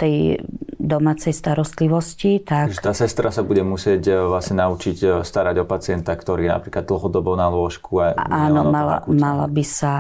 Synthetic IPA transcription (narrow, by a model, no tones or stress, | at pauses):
t̪ɛjd̪ɔmaːt͡sɛjst̪aɾɔst̪liʋɔscit̪akʒɛt̪aːsɛst̪ɾasabuɟɛmusɪɛcvlasɲɛnaut͡ʃicst̪aɾaɟɔpat͡sɪɛnt̪akt̪ɔɾiːjɛna̰pɾiːklad̪̚d̪l̩ɦɔd̪ɔbɔʊnalʊɔʃkʰuaʔaːnɔmala̰mala̰bisa